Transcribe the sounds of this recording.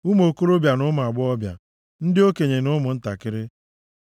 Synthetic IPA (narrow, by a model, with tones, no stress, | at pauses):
u˦m˦o˨ko˦ɾo˦bja˨nʊ˦m˨a˨ɡ͡bʊ˦ɔ˦bja̰˨ | n̩˦dɪ˦o˦ke˨ɲe˨nʊ˦mʊ˨n̩˦ta˨kɪ˦ɾɪ˦